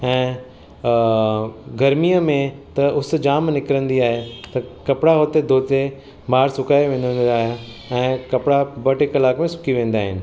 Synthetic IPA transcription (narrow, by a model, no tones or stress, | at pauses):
ɛ̃ː | ɡʱɐɾmiəmẽt̪ɐʔʊs̆d͡ʑaːmnɪkɪɾə̃nd̪iaːɦet̪ɐkɐpɪɽaɦoːt̪ed̪ʱoːze | maːɾsʊkaːeʋẽːn̆d̪ə̃nd̪aːɦ | ɛ̃ːkɐpɪɽabɐʈekɐlaːkmẽsʊ̥kʰiʋẽːn̆d̪aːɦɪnɪ̆